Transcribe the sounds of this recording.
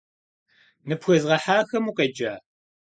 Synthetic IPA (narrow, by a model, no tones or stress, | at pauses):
nɨpxʷɐzʁɐħaːxɐmuqɐd͡ʒaː